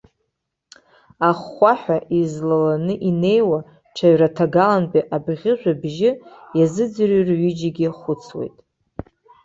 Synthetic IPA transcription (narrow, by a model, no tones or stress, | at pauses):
aχːʷaħʷᶣaʔizlalanɨʔine̞jwa | ʈ͡ʂʰaɥratʰaɡalanbiʔabʁʲɪʒʷᶣabʒɪjazɨd͡zrirɥid͡ʒiɡʲɪχʷʊt͡sʰwḛjtʼ